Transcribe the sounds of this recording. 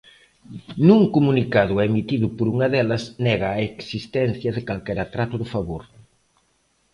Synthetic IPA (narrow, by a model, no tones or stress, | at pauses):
nũŋkomunikaðʊɛmit̪iðʊpoɾuŋɐðɛlɐsnɛɣɐːeksist̪ɛn̟θjɐðɪkalkɛɾat̪ɾat̪ʊðʊfaβoɾ